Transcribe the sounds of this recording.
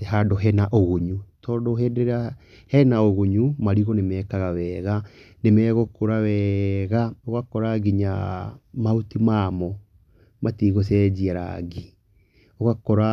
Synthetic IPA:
teɦadoɦɛnaʔoɣoɲutɔːdoɦɛdeɾa | hɛnaoɣoɲumaɾiɣɔnemɛːkaɣawɛːɣanemɛːɣokoɾawɛːɣaoɣakɔɾaɡiɲamautimamɔ | matiɣosɛd͡ʒiaɾa̰ɡi | oɣakɔɾa

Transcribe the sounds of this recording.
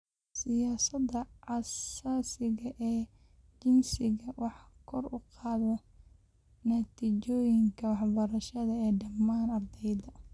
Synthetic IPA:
sɪjaːsɐd̪ɐʕɑsaːsɪɣɐʔɛː | t͡ʃɪnsɪɣɐwɑħɑkʰɔrʊqɑːðɔ | nɐt̪ʰiːt͡ʃɔːjɪŋkʰɐwɑħbɐɾɐʃɐðɐɛːɖɐmːaːnɐrd̪ɛjd̪ɐ

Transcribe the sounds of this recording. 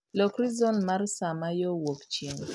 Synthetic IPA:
lɔkɾizɔnmarsamajɔwokt͡ʃiŋ

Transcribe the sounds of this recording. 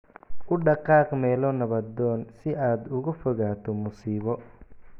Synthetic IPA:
ʔʊɖɑqɑːqmɛːlɔːnɐβɐd̪ɔːnsɪʔaːd̪ʊɣʊfɔɣaːt̪ʰɔmʊsiːβɔ

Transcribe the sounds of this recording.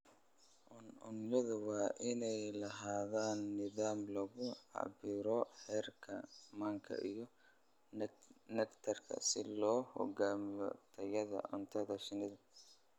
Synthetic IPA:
ʔʊnʊ̰njɐðʊwɑːʔɪnɛjlɐɦaːðaːnːɪðaːmlɔɣʊʕɑ̰bɪɾɔħɛrkʰɐmaːŋkʰɐ̰ʔijɔ | nɛkt̪ʰɐrkʰɐ̰sɪlɔːhɔ̰ɡaːmɪjɔ̰t̪ʰɐjɐðɐ̰ʔʊ̰nt̪ʰɐðɐʃɪnɪðɐ

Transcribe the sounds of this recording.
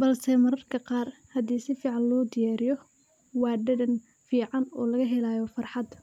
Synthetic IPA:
bɐlsɛmɐɾɐrkʰɐqɑːrhɐd̪iːsɪfiːʕɑnlɔːd̪ɪjaːɾɪjɔ | wɑːɖɛdɐn | fiːʕɑnɔːlɐɣɐɦɛlaːjɔfɑrħɑd̪

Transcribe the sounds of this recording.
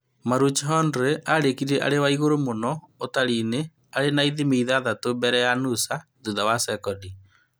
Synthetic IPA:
maɾut͡ʃɦɔndɾeʔaɾekiɾiɾɛʔa̰ɾewaiɣoɾomonɔotaɾine | aɾenaiðimeiðaːðatobɛɾɛjanusa | ðuðawasɛkɔni

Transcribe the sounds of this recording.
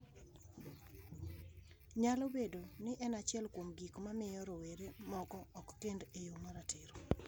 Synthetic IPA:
ɲalobedonɪʔɛnat͡ʃɛlkwomɡikmamɪjɔɾɔweɾemɔkɔɔkːendejomaɾatɪɾo

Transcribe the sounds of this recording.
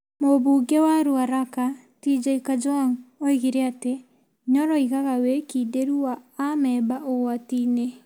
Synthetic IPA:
moβuɡewaɾuaɾaka | tid͡ʒaikad͡ʒɔnoiɣiɾeate | ɲɔɾɔiɣaɣawekideɾuaamɛːbaʔowatine

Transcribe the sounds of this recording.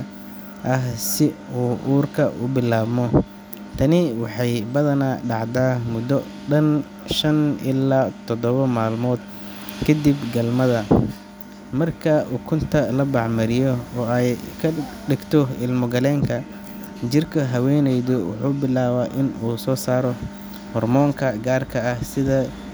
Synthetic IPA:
ʔɐɦsɪuːʔuːrkʰɐ̰ʔʊ̰bɪlaːβmɔ | t̪ʰɐnɪwɑħɑjbɐðɐnaːɖɑʕd̪aːmʊd̪ɔ | ɖɐn | ʃɐnɪ̰laːt̪ʰɔd̪ɔβɐmaːlmɔːd̪̚ | kʰɐd̪ibɡɐlmɐðɐ | mɐrkʰɐuːkʰʊnt̪ʰɐlɐbɑʕmɐɾɪjɔɔːɛjkʰɐɖɪɡt̪ʰɔɪlmʊɡɐlɛːŋkʰɐ | d͡ʒɪrkʰɐɦɐwɛnɛjðʊwʊ̰ħuːbɪlaːβaːʔɪnuːsɔːsaːɾɔ | hɔrmɔːŋkʰɐɡaːrkʰɐːhsɪðɐ

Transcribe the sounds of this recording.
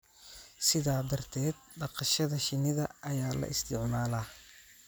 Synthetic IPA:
sɪðaːd̪ɐrt̪ʰɛːd̪̚ɖɑqɑʃɐðɐʃɪnɪðɐʔɐjaːlɐ̰ʔɪst̪ʰɪʕmaːlaː

